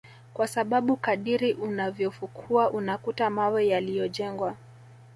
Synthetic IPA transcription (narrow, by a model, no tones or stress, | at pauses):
kwasaɓaɓukaɗiɾiʔunavjɔfukʰuaʔunakutamawɛjalijɔʄɛŋɡwa